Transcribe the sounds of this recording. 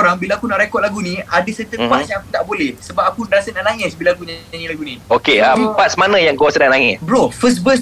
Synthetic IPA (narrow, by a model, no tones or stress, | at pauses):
ɾaŋbilaakunaʔɾekɔt̚laɡunĩadəsɛt̪əpasjaŋakut̪aʔbolɛhsəbap̚akunɾasanaʔnaŋɛsbilakunanĩlaɡuniokeəmpasmanãjaŋkuasanaʔnaŋɛsbɾofəs̬̚bəs